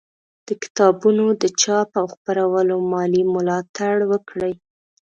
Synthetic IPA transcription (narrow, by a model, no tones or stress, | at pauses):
d̪̥əkɪ̥t̪ɑbunod̪ət͡ʃɑpawxpaɾawəlomɑlimʊlɑt̪aɽwəkɽəj